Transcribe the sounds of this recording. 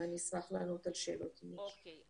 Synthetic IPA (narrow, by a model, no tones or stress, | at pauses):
anismaχlanut̪alʃelot̪ʰimi